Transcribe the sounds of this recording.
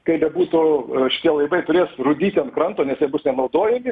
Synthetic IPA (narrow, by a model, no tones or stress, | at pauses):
kɐɪbʲɛbuːt̪ʊʃʲɪ̥t̪ʲiɛlˠɐɪʋɐɪt̪ʊɾʲeːsrʊd̪ʲiːt̪ʲɪɐnt̪kɾɐnt̪oːnʲɛsjɛbʊsnʲɛnɐʊd̪oːjɛmʲɪ